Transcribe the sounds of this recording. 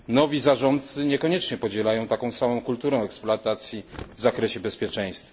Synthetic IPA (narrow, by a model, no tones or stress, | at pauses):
nɔvʲizaʐɔnt̪̚sɘɲɛkɔɲɛt͡ʂɲɛpɔd͡ʑɛlajɔ̃w̃t̪akɔ̃w̃samɔ̃w̃kult̪uɾɛ̃ɛksploat̪at̪sʲjivzakɾɛɕɛbɛspʲjɛt͡ʂɛ̃j̃st̪f